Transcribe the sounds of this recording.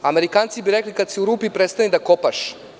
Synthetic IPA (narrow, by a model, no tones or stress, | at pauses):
ameɾikaːnt̪sibiɾeklikad̪siuɾuːpipɾet̪st̪anid̪akopaʃ